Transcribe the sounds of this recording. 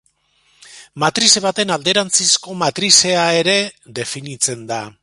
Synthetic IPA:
mat̪ɾiseβ̞at̪e̞nald̪e̞ɾant͡sisko̞mat̪ɾise̞ae̞ɾe̞ðe̞finit͡se̞nd̪a

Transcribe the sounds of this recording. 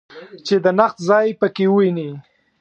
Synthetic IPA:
t͡ʃed̪ənaxt̪zɑjpəkewəwini

